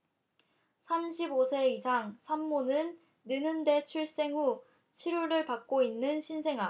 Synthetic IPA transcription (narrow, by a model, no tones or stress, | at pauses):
sʰamɕʰibosʰe̞isʰaŋsʰamːonɯnː | ɯnɯnde̞t͡ɕʰuɭs͈e̞ŋu | t͡ɕʰiɾuɾɯɭpak̚k͈oinːɯnɕʰinsʰe̞ŋa